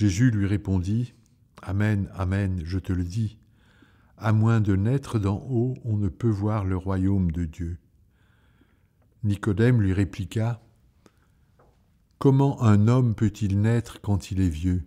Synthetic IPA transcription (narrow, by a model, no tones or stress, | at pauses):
ʒezylɥiʁepɔ̃d̪i | amɛnamɛnʒət̪ələd̪i | amwɛ̃d̪ənɛt̪χəd̪ɑ̃ʔoɔ̃nəpøvwaʁləʁwajomd̪əd̪jø | nikɔd̪ɛmlɥiʁeplika | kɔmɑ̃ʔɛ̃nɔmpøt̪ilnɛt̪χəkɑ̃t̪ilɛvjø